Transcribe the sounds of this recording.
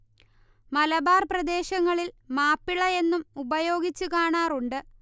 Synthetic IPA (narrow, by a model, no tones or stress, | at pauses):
mɐlɐbaːrprɐd̪e̞ːɕɐŋːɐɭilmaːpːiɭɐe̞nːumubɐjo̞ːɡit͡ɕːukaːɳaːɾuɳɖɨ